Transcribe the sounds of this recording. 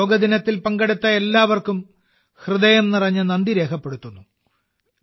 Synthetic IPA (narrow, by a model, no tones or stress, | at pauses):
oːɡɐd̪inɐt̪ːilpɐŋɡɐɽut̪ːɐe̞lːaːʋɐrkum | hrɨðɐjɐmnirɐɲːɐnɐnd̪iɾe̞ːkʰɐpːe̞ɽut̪ːunːu